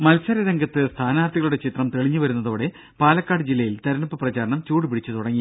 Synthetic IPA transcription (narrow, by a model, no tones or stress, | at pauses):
mɐlsɐɾɐɾɐŋɡɐt̪ːɨst̪ʰaːnaːrt̪ʰiɣɐɭuɽe̞t͡ɕʰit̪rɐmt̪eɭiɲːɨʋɐɾunːɐðo̞ːɽe̞ | paːlɐkːaːɽɨd͡ʑilːɐjilt̪ɐɾɐɳɐpːɨprɐt͡ɕaːɾɐɳɐmt͡ɕuːɽɨpiɽit͡ɕːɨt̪uɽɐŋːi